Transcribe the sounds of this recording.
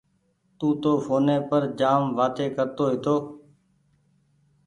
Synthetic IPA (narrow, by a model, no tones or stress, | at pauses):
t̪ũːt̪oːfoːnẽːpəɾd͡ʒaːmʋaːt̪eːkəɾt̪oːɦɪt̪oː